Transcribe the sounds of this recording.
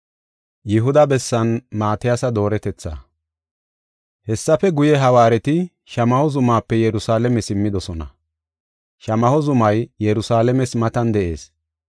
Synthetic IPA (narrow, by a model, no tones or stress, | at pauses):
jɪɦʊd̪ɐbɛsːɐnmaːt̪ɪjasɐd̪o̞ːɾɛt̪ɛt͡sːa̰ː | hɛsːɐfɛɡʊjɛɦɐwaːɾɛt̪ɪ | ʃɐmɐhɔzʊmaːpːɛjɛɾʊsaːlɛmɛsɪmːɪd̪ɔsɔnɐ̰ | ʃɐmɐhɔzʊmɐjjɛɾʊsaːlɛmɛsmɐt̪ɐnd̪ɛʔe̞̰ːs